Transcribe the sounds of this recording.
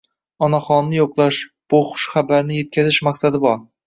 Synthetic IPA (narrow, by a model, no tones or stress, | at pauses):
ɒnaχɒnːɪjoqlˠaʃb̥oχʊ̥ʃχabaɾnɪje̞t̪̚kʲazɪʃmaχsad̪ɪbɒɾ